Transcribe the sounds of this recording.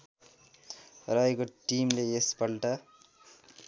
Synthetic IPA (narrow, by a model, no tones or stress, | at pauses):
rʌekoʈimleespʌlʈʌ